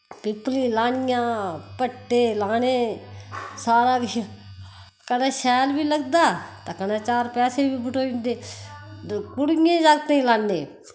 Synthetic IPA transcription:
pɪplĩːlaːɳɪjãːpəʈːeːlaːneː | saːɾaːbi | kənaːʃɛːlbiːləɡd̪aːt̪aːkənãːt͡ʃaːɾpɛːseːbʱiːbʱʊʈoːɪ̃nd̪eː | kʊɽɪjẽːd͡ʒaːɡt̪ẽːĩlaːnːeː

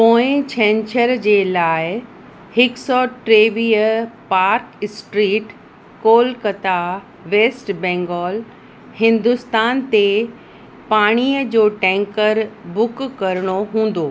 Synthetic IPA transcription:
põːɪ̃t͡ɕʰɛ̃ːɲt͡ɕəɾd͡ʑeːlaːɪ | hɪksɔʈɾeːʋiːəpaːɾksʈɾiːʈ | koːlkɐt̪a | ʋeːsʈbɛ̃ːŋɡɔːl | hɪ̃nd̪ʊst̪aːnt̪e | paːɽ̃iːəd͡ʑoːʈɛ̃ːŋkəɾbʊkkːɐɾəɽ̃oɦũːn̆d̪oː

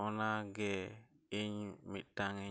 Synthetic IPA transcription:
ɔnaɡɛ | iɲmitaŋi

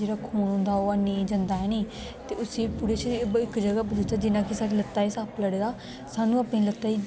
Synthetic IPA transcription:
d͡ʒeːɽaːkʰuːnɦʊ̃nd̪aːoːaniːd͡ʒənd̪aːɛːniː | t̪eːʊsiːpʊɽeːt͡ʃːbɪkd͡ʒəɡaːbəd̪ʊst̪aːd͡ʒɪnãːkɪsaːɽiːlət̪ːaːiːsaːpʰləɽeːd̪aː | saːnũːaːpɽĩːlət̪ːaːiː

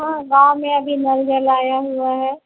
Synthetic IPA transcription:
ɦãːɡãːwmẽɐbʱinɐlɡəlaːjaɦuaɦɛː

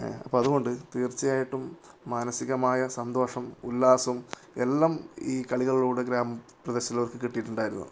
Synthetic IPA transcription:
ɐ̰pːoːɐðuɣo̞ɳɖɨt̪iːrt͡ɕːijaːjiʈːumːaːnɐsiɣɐmaːjɐsɐnd̪o̞ːʂɐmulːaːsɐum | e̞̰lːaːmiːkɐɭiɣɐɭiɭuːɽeɡɾaːmɐprɐðeɕɐt̪ːilɐʋɐrkɨkiʈːijʈːuɳɖaːjiɾunːɐ̰ɨ

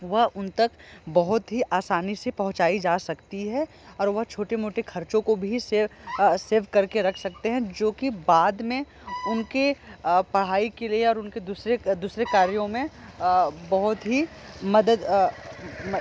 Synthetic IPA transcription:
ʋɐɦʊnt̪ɐkbɐɦʊt̪ɦiʔaːsaːnisepɐɦʊ̃t͡ʃaːid͡ʒaːsɐkt̪iɦɛ | ɔːɾʋɐɦt͡ʃʰoːʈemoːʈekʰɐɾt͡ʃõkobʱiseseːʋkɐɾkeɾɐkʰsɐk̚t̪eɦɛ̃d͡ʒoːkibaːd̪mẽ | ʊnkepɐɽ̤aːikelieɔːɾʊnked̪uːsɾed̪uːsɾekaːɾjõmẽ | bɐɦʊt̪ɦi | mɐd̪əd̪

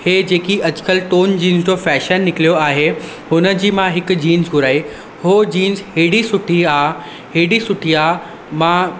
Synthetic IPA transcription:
heːd͡ʑeːkiʔɐd͡ʑʊ̥kəlʈoːnd͡ʑiːnzd͡ʑofɛːʃənːɪkɪlijoaːɦe | hʊnə̆d͡ʑiːmãɦɪkʊ̆d͡ʑiːnzɡʱʊɾaːi | ɦod͡ʑiːnzheːɽisʊʈʰiaː | ɦeːɽisʊʈʰiaːɦ | mã

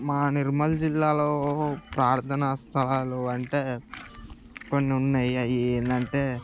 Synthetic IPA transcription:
maːniɾmɐld͡ʒilːaːlo̞ːpɾaːɾt̪ʰɐnɐst̪ʰɐlaːluɐɳʈeː | konːiunːɐjɐjieːnd̪ɐɳʈe̞ː

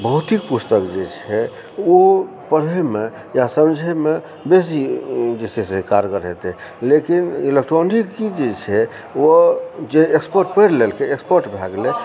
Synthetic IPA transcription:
bəɦut̪ik̚pust̪əkd͡ʒet͡ʃʰɛ | o | pəɾeme | jasəmd͡ʒʱeme | bes̬id͡ʒesesekaɾɡəɾɦḛt̪ɛlekinilek̚ʈɾonikːid͡ʒet͡ʃʰɛ | od͡ʒeekspəɾʈpəɾlelkeekspəɾʈbʱaɡle

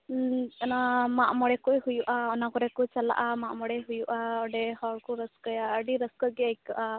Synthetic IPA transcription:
namaʔmɔɽɛkɔɦujuʔaɔnakɔɾɛkɔt͡ʃala̰ʔamaʔmɔɽɛɦujuʔaɔɖɛhɔɭkɔɾəskəjaəɖiɾəskəɡɛajkaʔa

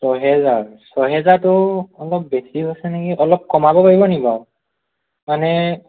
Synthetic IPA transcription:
sɔɦɛzaɹsɔɦɛzaɹtʊɔlɔp̚besiɦojsɛnekiʔɔlɔp̚kɔmabɔpaɹibɔnibaʊ | manɛ

